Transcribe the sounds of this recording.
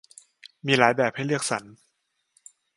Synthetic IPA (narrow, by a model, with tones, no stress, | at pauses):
miː˧laː˩˦jbɛː˨˩p̚ha˥˩jlɯ˥˩ək̚sa˩˦n